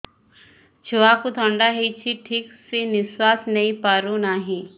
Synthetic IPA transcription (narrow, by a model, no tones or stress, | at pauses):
t͡ʃʰʊakut̪ʰə̃ɳɖaɦit͡ʃʰiʈʰiksenɪswaːsnɐĩpaːɾũnaɦĩ